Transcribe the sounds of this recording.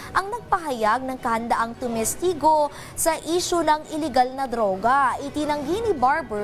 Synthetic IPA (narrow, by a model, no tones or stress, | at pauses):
ʔɐŋnɐɡ̚pɐɦɐjaɡ̚nɐŋkɐhɐnd̪ɐʔaŋt̪ʊmɛst̪iɡo̞ | sɐʔiːʃonɐŋɪlɛɡalnɐd̪ɾo̞ːɡɐʔɪt̪ɪnɐŋɡinibaɹbɛ